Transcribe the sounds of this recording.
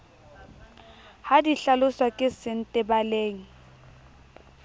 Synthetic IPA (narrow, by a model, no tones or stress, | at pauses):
hadiɬalʊswakʼɪsɪn̩tʼɪbaleːŋ̩